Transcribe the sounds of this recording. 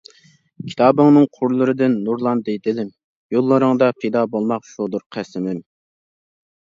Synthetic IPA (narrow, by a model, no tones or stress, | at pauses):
kʲʰi̥t̪ʰɑːbɨŋnɨŋqʰʊɾlˠɨɾɨd̪ɪnːuɾlˠɑnd̪ejd̪ɪlɪm | jolˠːɨɾɨŋd̪ɑpʰejd̪ɑbolˠmɑqʃud̪uɾqʰæsɪmɪm